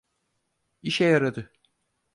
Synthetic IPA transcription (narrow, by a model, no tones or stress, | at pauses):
iʃɛjaɾad̪ɯ